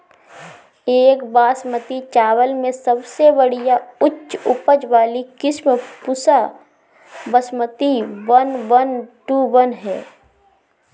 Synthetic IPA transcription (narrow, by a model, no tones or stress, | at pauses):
eːkbaːsmət̪it͡ʃaːwəlmẽsəbsebəɽ̤ijaʊtːʃʊpəd͡ʒʋaːlikɪsməpʊsa | bəsmət̪iʋənʋənʈuʋənɦɛ̰ː